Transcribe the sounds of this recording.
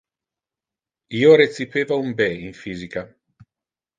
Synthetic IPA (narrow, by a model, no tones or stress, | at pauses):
iːoɾet̪sipeːvaumbɛiɱfiːzika